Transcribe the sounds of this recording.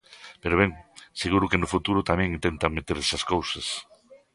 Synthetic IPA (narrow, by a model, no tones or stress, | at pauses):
peɾoβeŋseɣuɾʊkɪnʊfut̪uɾʊt̪amɛ̃ŋint̪ent̪ɐŋmet̪eɾsɐskowsɐs